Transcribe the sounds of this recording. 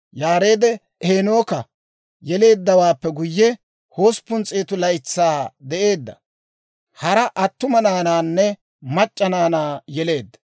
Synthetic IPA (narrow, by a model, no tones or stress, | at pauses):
jaːɾe̞ːd̪ɛ | ʔeːno̞ːkɐ | jɛle̞ːd̪ːɐwaːpːɛɡʊjːɛ | ho̞ːspʊnt͡sʼeːt̪ʊlɐjt͡sːaːd̪ɛʔe̞ːd̪ːɐ̰ | hɐɾɐʔɐt̪ːʊmɐnaːnaːnːɛ | mɐt͡ʃʼːɐnaːnaːjɛle̞ːd̪ːɐ̥